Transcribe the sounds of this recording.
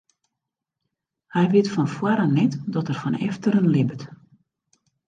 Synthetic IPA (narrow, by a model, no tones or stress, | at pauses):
hɛjʋɪtfɔnfwaɾanɛtdɔtərfɔnɛ̰ftəɾənlɪbət